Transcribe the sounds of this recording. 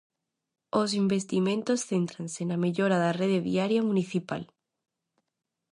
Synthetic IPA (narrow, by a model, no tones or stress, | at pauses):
osimbest̪imẽnt̪osθent̪ɾansenameʎoɾaðareðeðḭaɾjamũniθipa̰l